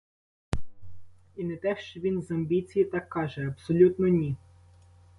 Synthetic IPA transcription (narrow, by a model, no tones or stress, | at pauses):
inɛt̪ɛʃt͡ʃɔʋʲinzɐmʲbʲit͡sʲijit̪ɑkːɑʒɛɐbsɔlʲut̪nɔnʲi